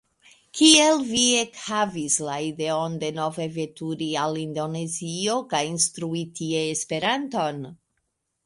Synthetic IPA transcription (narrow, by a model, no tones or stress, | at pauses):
kielvie̞khavislaideonde̞no̞ve̞ve̞tuɾialindo̞ne̞zio̞kajinstɾuitʰieːspe̞ɾanto̞n